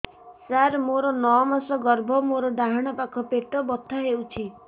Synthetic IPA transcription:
saɾmoɾɔnɔmasɔɡɔɾbʱɔmoɾɔɖaɦaɽ̃ɔpakʰɔpeʈɔbɔt̪ʰːaɦewt͡ʃʰi

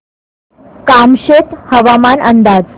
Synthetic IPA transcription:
kamɕet̪həʋamanʔənd̪ad͡z

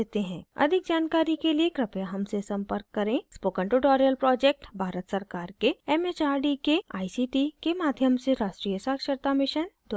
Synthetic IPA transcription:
eːt̪eɦɛ̃ːɐ̰d̪ʱɪk̚d͡ʒaːnkaːɾikeliekɾɐpjaɦɐmsesɐ̃mpəɾkːɐɾẽspoːkə̃ɳʈuʈɔːɾijəlpɾɔːd͡ʒeːk̚ʈbʱaːɾət̪sɐɾkaːɾkeɛːmet͡ʃaːɾɖikeaːisiʈikemaːd̪ʱjəmseɾaːʃʈɾiːjəsaːkʃəɾt̪amɪʃənd̪

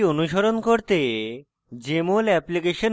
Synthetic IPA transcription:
onuʃoɾonkoɾt̪e | d͡ʑemolɛplikeʃon

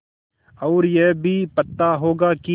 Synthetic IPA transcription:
ɔːɾjɛɦbʱipɐt̪ːaɦoːɡaki

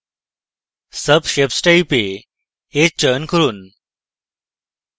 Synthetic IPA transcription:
səbɕepsʈaipe | et͡ɕənkʰəɾuːn

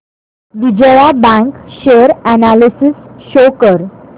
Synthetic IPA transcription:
ʋid͡ʑəjabãŋkɕeəɾænalisisɕokəɾ

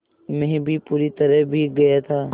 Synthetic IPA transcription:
mɛ̃ɦɛ̃bʱipuːɾit̪ɐɾəɦbʱiɡɐjat̪ʰaː

